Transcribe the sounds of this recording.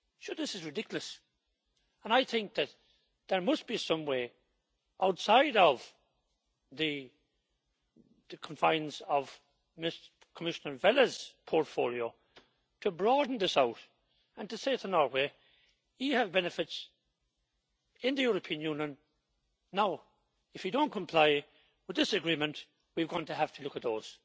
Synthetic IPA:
soðɪsɨzɹɨdɪkjl̩ˠəs | ə̃naɪθɪ̃ŋk̚ðɨt̪̚ | ðə˞mʌstb̥isʌ̃mweː | ʔaʊtsaɪɾʌv̥ | ðɨ | ðəkʰə̃ɱfãɪ̃nsʌv | mɪs | kʰəmɪʃənə˞vɛlˠəz̥pʰɔɹtfo̰ːlˠioʊ | tʰəbɹɔːdⁿn̩ðɪsaʊɾ | ə̃ntɨseɪɨt̪ðənɔːɹwe | jiəvbɛnɨfɨts | ɪ̃nðɨjʊɹəpʰĩə̃njũnjə̃nː | aʊ | ɨfjɨdõʊ̃nkʰə̃mpʰl̥aɪ | wɨðɪsɨɡɹĩːmə̃nʔ | wivɡɔ̃ntəɦaftʰəlʊkət̪̚ðoːz̥

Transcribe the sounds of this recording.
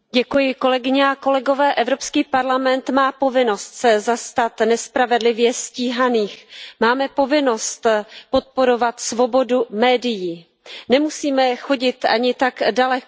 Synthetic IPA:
ɟɛkujɪko̞lɛɡɪɲɛako̞lɛɡo̞vɛːʔɛvɾo̞pskiːpaɾlamɛnt̪maːpo̞vɪno̞st̪sɛzast̪at̪nɛspɾavɛdlɪvjɛsciːɦaniːxmaːmɛpo̞vɪno̞st̪po̞t̪̚po̞ɾo̞vat̪svo̞bo̞dumɛːdɪjiː | nɛmusiːmɛxo̞ɟɪt̪ʔa̰ɲɪt̪aɡdalɛk

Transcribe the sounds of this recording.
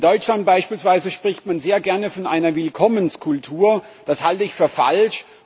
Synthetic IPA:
ndɔʏt͡ʃlant̚b̥aɪʃpiːlsv̥aɪzəʃpʁ̥ɪçtmanzeːɐɡɛɐnəfɔnʔaɪnɐvɪlkʰɔmənskʰʊltʰuːɐ | d̥ashaltəɪçfyːɐfa̰lʃ

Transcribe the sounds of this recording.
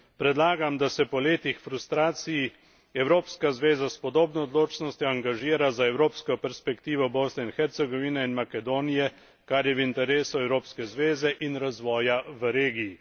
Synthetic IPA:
pɾɛd̪laːɡamd̪asɛpɔleːt̪ixfɾust̪ɾaːt̪siji | ɛwɾoːpskazʋeːzaspɔd̪oːbnɔɔd̪loːt͡ʃnɔst̪jɔaŋɡaʒiːɾazaɛwɾoːpskɔpɛɾspɛkt̪iːʋɔboːsnɛinxɛɾt̪sɛɡɔʋiːnɛinmakɛd̪oːnijɛ | kaɾjɛʋint̪ɛɾeːsuɛwɾoːpskɛzʋeːzɛʔinɾazʋɔːjaʋəɾeːɡiji

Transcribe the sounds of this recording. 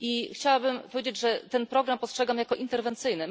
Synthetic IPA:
ʔixt͡ɕawabɘmpɔvʲjed͡ʑed͡ʑʐɛt̪ɛnpɾɔɡɾampɔstʂɛɡamjakɔʔint̪ɛɾvɛnt̪sɘjnɘ

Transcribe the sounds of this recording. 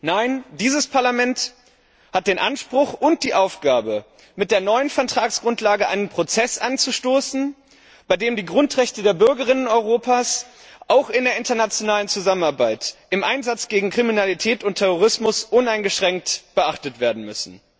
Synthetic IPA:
naɪndiːzəspʰaɐlamɛnt | hat̚d̥eːnʔanʃpʁ̥ʊχʊnt̚d̥iːʔaʊfɡ̥aːbə | mɪt̚d̥eːɐnɔʏənfɛɐtʁ̥aːksɡ̥ʁʊntlaːɡəʔa̰ɪnənpʁ̥ot͡sɛsʔant͡suʃtoːsn̩ | b̥aɪdeːmdiːɡʁʊntʁ̥ɛçtədeːɐbʏɐɡəʁ̞ɪnənɔʏʁoːpʰaːs | ʔaʊxɪndeːɐʔɪntɐnat͡sjonaːlənt͡suzamənaɐbaɪtʔɪmʔaɪnzat͡sɡ̥eːɡŋ̩kʁ̥iminalitʰɛːtʊntʰːɛʁ̞oʁɪsmʊsʔʊnaɪnɡəʃʁ̥ɛŋk̚tb̥əʔaχtətv̥eːɐdn̩mʏsn̩

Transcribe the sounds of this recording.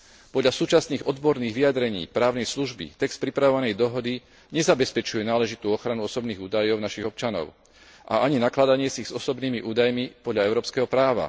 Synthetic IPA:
pɔd̪ʎasuːt͡ʃasniːɣɔd̪bɔɾniːɣʋijad̪ɾɛɲḭːpɾaːʊnɛjsluʒbḭt̪ɛkst̪̚pɾipɾaʋɔʋanɛjd̪ɔɦɔd̪i | ɲɛzabɛspɛt͡ʃujɛnaːlɛʒit̪uːɔxɾanuɔsɔbniːɣuːd̪ajɔʊnaʃiɣɔp̚t͡ʃanɔ̰ʊ | ʔa̰aɲinaklad̪aɲɪɛsiɣzɔsɔbniːmiʔuːd̪ajmipɔd̪lʎaɛʊɾɔːpskɛɦɔpɾaːʋa̰

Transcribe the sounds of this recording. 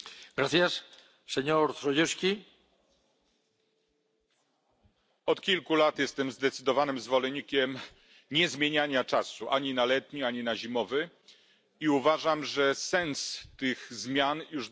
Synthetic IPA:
ɡɾaθjas | seɲoɾt̪ɾɔjuskʲi | ɔt̪kʲilkulat̪jɛst̪ɛmzd̪ɛt̪sɘd̪ɔvanɘmzvɔlɛɲikʲɛm | ɲɛzmʲjeɲaɲat͡ʂasuʔaɲinalɛt̪ɲiaɲinaʑimɔvɘ | iuvaʐamʐɛsɛnst̪ɘɣzmʲjanjuʐ

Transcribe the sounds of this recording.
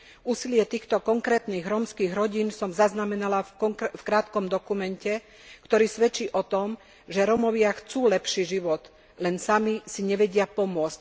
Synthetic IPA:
uːsilɪɛt̪iːxt̪ɔkɔŋkɾɛːt̪niːɣɾɔmskiːɣɾɔɟiːnsɔmzaznamɛnalafkɾaːt̪kɔmd̪ɔkumɛncɛ | kt̪ɔɾiːsʋɛt͡ʃiːʔɔt̪ɔm | ʒɛɾɔmɔʋɪaxt͡suːlɛpʃiʒiʋɔt̪ | lɛnsamisiɲɛʋɛɟɪapɔmʊɔt͡sc

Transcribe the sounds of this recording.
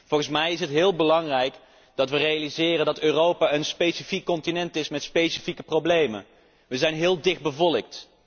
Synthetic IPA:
v̥ɔlˠχənsmɛjɪs̬ɦətɦɪːlˠbəlɑŋrɛjk | d̥ɑtʋərejalizɪːrəndɑtøːrowpaːənspejsifikːɔntinɛntɪsmɛtspejsifikəprowblejmə̰n | ʋəzɛjnɦɪːlˠdɪχd̚bəvɔlək̚t

